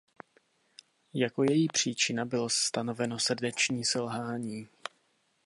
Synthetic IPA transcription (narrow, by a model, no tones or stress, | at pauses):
jako̞jɛjiːpr̝̥iːt͡ʃɪnabɪlost̪ano̞vɛno̞sr̩dɛt͡ʃɲiːsɛlɦaːɲiː